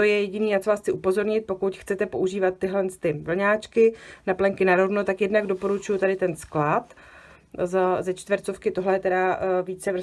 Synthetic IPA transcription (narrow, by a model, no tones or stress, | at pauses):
t̪ojɛjɛɟɪniːjat͡sovaːsxt͡sɪʔupo̞zo̞ɾɲɪt̪̚po̞kut̪xt͡sɛt̪ɛpoʔuʒiːvat̪ːɪɦlɛnst̪ɪvl̩ɲaːt͡ʃkɪnaplɛŋkɪnaɾovnot̪akjɛdnaɡdo̞po̞ɾut͡ʃujut̪adɪt̪ɛnsklat̪ | zzɛt͡ʃt̪vəɾt͡so̞fkɪt̪oɦlɛjɛt̪ɛɾaviːt͡sɛvr̩